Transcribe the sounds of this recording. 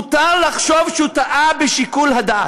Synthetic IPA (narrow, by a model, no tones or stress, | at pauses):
t̪aʁlaχʃo̞vʃut̪aʔabeʃikulɦad̪a